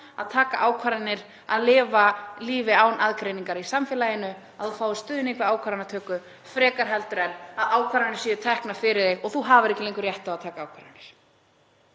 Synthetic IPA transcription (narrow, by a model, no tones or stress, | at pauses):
a̰ðt̪ʰaːkaʔaːwkʰvaɾanːɪɾ̥ | aðlɪːvaliːvɪaːwnʔaðkɾejniŋkaɾisamfɛːlajɪnːʏ | aðθufaːwðɪst̪ʏːðʏnekvɪaːwkʰvaɾanːat̪ʰœːkʏ | fɾɛːkaɾ̥ɦɛlt̪ʏɾɛlaðaːwkʰvaɾanɪɾ̥siːðʏt̪ʰɛhknafɪɾɪðeɣɔɣθuɦavʏɾɛhcɪleŋkʏɾjɛht̪avaðt̪ʰaːkaaːwkʰvaɾanːɪɾ̥